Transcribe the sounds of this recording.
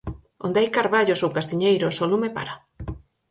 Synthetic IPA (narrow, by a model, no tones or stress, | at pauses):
o̰nd̪eajkaɾβaʎosowkast̪iɲejɾosolumepa̰ɾa